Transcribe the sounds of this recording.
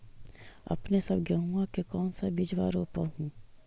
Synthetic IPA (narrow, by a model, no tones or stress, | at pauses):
ɐ̰pnesɐbɡɐɦũakekɔːnsabɪd͡ʒʋa̰ːɾoːpaɦũː